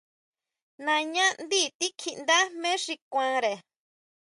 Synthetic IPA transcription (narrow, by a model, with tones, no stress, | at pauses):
nã˧ɲã˦nd̪i˦˨t̪i˦kʰi˧ʔnd̪a˦mẽ˦ʂi˧kʷã˧ɾe˨